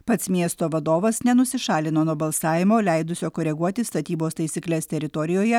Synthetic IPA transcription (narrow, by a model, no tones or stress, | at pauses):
pɐt̪smʲiɛst̪oːʋɐd̪oːʋɐsnʲɛnʊsʲɪʃɑːlʲɪnoːnuɔbɐlˠsɑːʋʲɪmoːlʲɛɪd̪ʊsʲoːkoːɾʲɛɡuɔt̪ʲɪst̪ɐt̪ʲiːboːst̪ɐɪsʲiːklʲɛst̪ʲɛɾʲɪt̪ɔɾʲɪjoːjɛ